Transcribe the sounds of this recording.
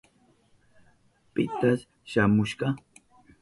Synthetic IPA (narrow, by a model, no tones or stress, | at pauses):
pɪt̪as | ʃamʊʃɢɑ